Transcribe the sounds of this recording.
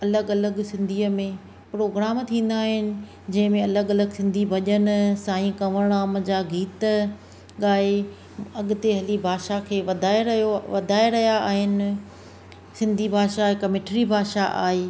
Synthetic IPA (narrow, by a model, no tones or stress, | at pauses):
ɐləɡɐləɡsɪ̃nd̪ʱiːəmẽ | pɾoːɡɾaːmt̪ʰĩːn̆d̪aːɦɪnɪ̆ | d͡ʑɐ̃ɦɪ̃mẽɐləɠɐləɡsɪ̃nd̪ʱibʱɐʄənsaːĩkɐʋəɽ̃aːmd͡ʑaːɡiːt̪ | ɠaːe | ɐɠʊt̪eɦɐlibʱaːʃakʰeːʋɐd̪ʱaːeɾɐjoʋɐd̪ʱaːeɾɐɦjaa̰ːɦɪnɪ̆ | sɪ̃nd̪ʱibʱaːʃaɦɪkəmɪʈʰɾibʱaːʃaʔa̰ːɦeː